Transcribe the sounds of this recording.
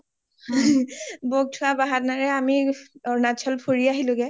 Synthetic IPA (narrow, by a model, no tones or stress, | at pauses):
boɡ̚tʰʊabaɦatnaɹɛamiɔɹnat͡ʃʰɔlpʰoɹiaɦilʊɡɛ